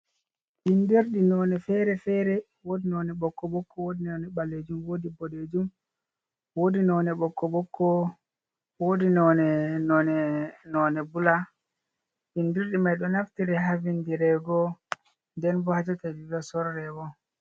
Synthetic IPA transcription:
ʔindiɾɗinɔnɛfɛɾɛfɛɾɛ | wodinɔnɛɓɔkːɔɓɔkʰːɔwodinɔnɛɓalːed͡ʒumwoːdibɔled͡ʒum | woːdinɔnɛɓɔkːɔɓɔkʰːɔ | wodinɔnɛnɔnɛnɔnɛbula | ʔindiɾɗimajɗɔnaftiɾɛɦavindiɾɛɡɔ | ndɛnbɔhad͡ʒatavivɛsɔɾːɛwɔ

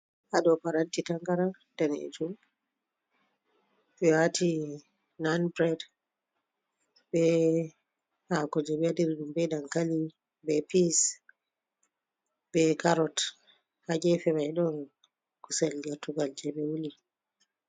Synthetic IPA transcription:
ʔaɗɔpaɾantitaŋɡaɾa | danɛ̰d͡ʒum | ʔɛwatʰi | nanpɾɛd | bɛ | hakɔd͡ʒɛbɛadiɾɗumbɛɗaŋkali | bɛpis | bɛkaɾɔt | haɡɛfɛmajɗɔn | kusɛlɡɛɾtuɡald͡ʒɛbɛwuli

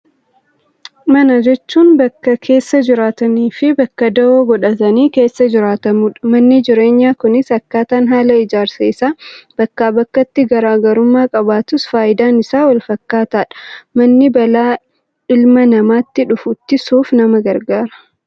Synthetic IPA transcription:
mɐnɐd͡ʒɛt͡ʃːuːnbɐkːɐkʰe̞ːsːɐd͡ʒɪɾaːt̪ɐniːfɪbɐkːɐd̪ɐoːɡɔᶑɐt̪ɐniːke̞ːsːɐd͡ʒɪɾaːt̪ɐmuːᶑɐ̥mɐnːɪd͡ʒɪɾe̞ːɲːaːkʊnɪsɐkːaːt̪aːnɦaːlɐɪd͡ʒaːɾsɐɪsaːb̥ɐkːaːbɐkːɐt̪ːɪɡɐɾaːɡɐɾʊmːaːkʼɐbaːt̪ʊsfaːjɪd̪aːnɪsaːwɐlfɐkːaːt̪aːᶑɐ̥mɐnːɪbɐlaː | ɪlmɐnɐmaːt̪ːɪᶑʊfʊt̪ːɪsuːfnɐmɐɡɐɾɡaːɾɐ̥

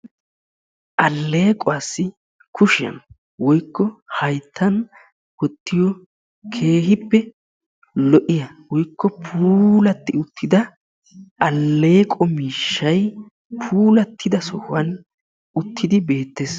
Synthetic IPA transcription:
ʔɐlːe̞ːkʼɔwasːɪ | kʰʊʃɪɐ̰n | wɔjkːɔhɐjt̪ʰːɐn | wɔt̪ːɪjɔ | kʰe̞ːɦɪpːɛ | lɔʔɪjɐwɔjkːɔpʰuːlɐt̪ːɪʊt̪ʰːɪd̪ɐ | ʔɐlːe̞ːkʼɔmiːʃːɐj | pʰuːlɐt̪ʰːɪd̪ɐsɔhʊwɐn | ʊt̪ʰːɪd̪ɪbe̞ːt̪ːeːs

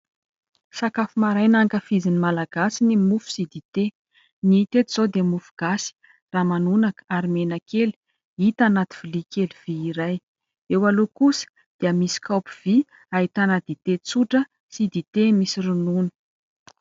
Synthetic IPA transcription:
sakafumaɾajnaŋkəfizinimalaɡ̥asinimufu̥sid̪it̪e | nit̪et̪iz̥od̪eəmufu̥ɡ̥asi̥ | raːmanunakə̥aɾimenakeli̥ | it̪anat̪i̥v̥ilikeliv̥iːɾaj | ewalokusə̥ | d̪̥eəmisi̥kawpiv̥i | aɦit̪anəd̪̥it̪et͡suʈ͡ʂə | sid̪it̪emisirununə̥

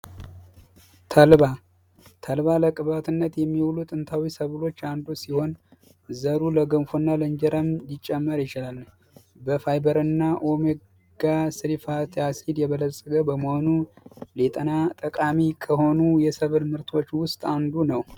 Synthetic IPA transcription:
t̪ʰəlβa | t̪ʰəlβaləkʼɨβat̪ʰɨnːət̪jɛmːiwlut̪ʼɨnt̪ʰawisəβɨlo̞t͡ʃːand̪usiho̞n | zəɾuləɡənfonːalənd͡ʒɛɾəmjɪt͡ʃʼːɛmːəɾjɪt͡ʃɪlalː | bəfajbəɾɨnːaʔo̞me | ɡ̥asɨɾifat̪ʰʼjasid̪jɛβələsʼəɡəbəməho̞nulet̪ʼənat̪ʼəkʼamikʰəho̞nujɛsəβɨlmɨɾt̪ʰo̞t͡ʃːwʊst̪ʼand̪unəw

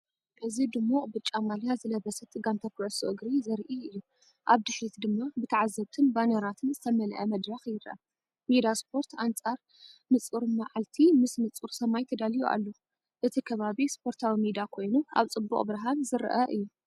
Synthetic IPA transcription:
ʔɨzid̪ɨmːuʔʼbɨt͡ʃʼːamaljazɨlɐβɐsɐt̪ʼɨɡant̪ʰɐkʰɨʕɨsoʔɨɡɾizɐɾʔiɨjːu | ʔaβd̪ɨħɾit̪d̪ɨmːabɨt̪ʰɐʕazːɐβt̪ʰɨnbanɐɾat̪ʰɨnzɨt̪ʰɐmɐlʔɐmɐd̪ɾɐxjɪɾʔɐ̰ | mid̪aspʰo̞ɾt̪ant͡sʼaɾ | nɨt͡sʼuɾmaʕalt̪ʰimɨsnɨt͡sʼuɾsɐmajt̪ʰɐd̪alijuʔa̰lːo | ʔɨt̪ʰikʰɐβaβispʰo̞ɾt̪ʰawimid̪akʰo̞jnuʔa̰βt͡sʼɨbːuχʼbɾɐɦanzɨɾʔɐʔɨjːu

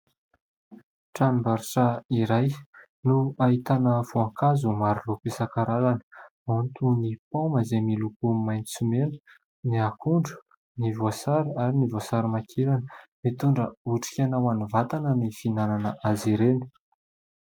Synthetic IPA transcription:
ʈ͡ʂanimbaɾiʈ͡ʂəiɾaj | nuaɦit̪anəvoaŋkazumaɾilopesakaɾalanə̥mant̪unipoməzemilukumajnt͡sumenə̥ | niakuɳɖ͡ʐu̥ | nivosaɾaɾinivosaɾimakʰeɾanəmit̪uɳɖ͡ʐəuʈ͡ʂi̥kʲanawanuvat̪anənifinananəʔaziɾeni̥

